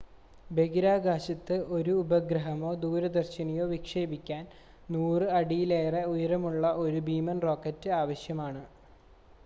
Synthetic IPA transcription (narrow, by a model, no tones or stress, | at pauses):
be̞ɡiɾaːɡaːɕɐt̪ːɨʔo̞ɾuːbɐɡɾɐɦɐmo̞ːd̪uːɾɐd̪ɐrɕinɐjo̞ːʋikʂeːbikʲːaːn | nuːrɨɐɽijileːreujɐɾɐmuɭːɐʔo̞ɾubiːmɐnro̞ːkːɐtːɨaːʋɐɕjɐmaːɳɨ